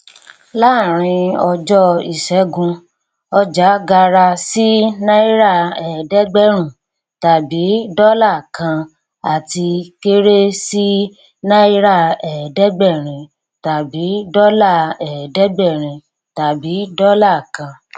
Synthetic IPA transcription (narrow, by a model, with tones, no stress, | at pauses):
la˦˨ɾ̃ĩ˧ɔ˧d͡ʒɔ˦i˨ʃɛ˨˦ɡũ˧ | ɔ˧d͡ʒa˨˦ɡa˧ɾa˧si˦nã˦i˦ɾa˦˨ɛ˨dɛ˦ɡ͡bɛ˦ɾ̃ũ˦˨ | ta˨bi˨˦dɔ˦la˦˨kã˧ | a˨ti˧ke˦ɾe˦si˦ | nã˦i˦ɾa˦˨ɛ˨dɛ˦ɡ͡bɛ˦˨ɾ̃ĩ˨ | ta˨bi˨˦dɔ˦la˦˨ɛ˨dɛ˦ɡ͡bɛ˦˨ɾ̃ĩ˨ | ta˨bi˨˦dɔ˦la˦˨kã˧